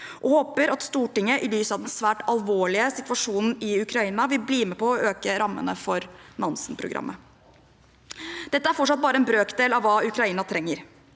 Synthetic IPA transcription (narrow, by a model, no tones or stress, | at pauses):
ʔɔhoːpəɾɑt̪st̪uːʈɪŋəʔɪlyːsəɑʋd̪ɛnsʋæːʈɑlʋoːɭɪəsɪt̪ʋɑʂuːnn̩ɪʉkʰɾɑiːnɑʋɪlbliːmɛpɔːøːkəɾɑmːə̰nə̰fɔɾnɑnsən̩pʰɾʊ̰ɡɾʔɑ̰mːʔə | d̪̥ɛt̪ːəæɾfɔʈːʂɑt̪̚bɑːɾəɛnbɾøːkd̪eːlɑʋʋɑːʉkɾɑiːnɑt̪ʰɾɛŋːəɾ